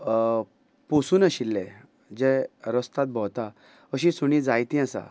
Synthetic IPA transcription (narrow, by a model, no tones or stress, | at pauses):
posuːnəɕilːɛ̃ | d͡ʑɛɾəst̪at̪̚bɔt̪a | əɕĩsuɽ̃ĩd͡zajt̪ĩasa̰